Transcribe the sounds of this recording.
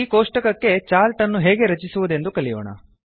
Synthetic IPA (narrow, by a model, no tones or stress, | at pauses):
iːkoːʂʈɐkɐkːe̞t͡ʃaːlʈɐnːuɦeːɡe̞ɾɐt͡ʃisuʋud̪e̞nd̪ukɐɭijo̰ːɳɐ̰